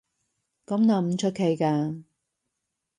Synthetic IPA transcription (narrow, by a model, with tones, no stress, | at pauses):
kɐ˨˥mnaː˨˧˩m̩˧˥t͡ʃʰɵ˥t̚kʰe˨˧jkaː˧